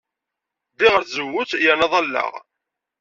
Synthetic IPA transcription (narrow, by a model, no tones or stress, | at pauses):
ðɪʁəɾθzəwːʊθjænɑðˤɑlːə̰ʁ